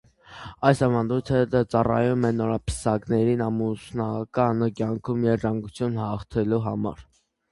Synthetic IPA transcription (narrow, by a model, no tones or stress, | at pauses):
ɑjsɑvɑnd̪ujt̪ʰədt͡sɑrɑ̰jumɛnɔɾɑpʰə̥sɑknɛɾinɑmusnɑkɑnəkjɑŋkʰumjɛɾt̪ɾɑŋɡut͡sʰjunhɑχt̪ʰɛluɦɑmɑ̰ɾ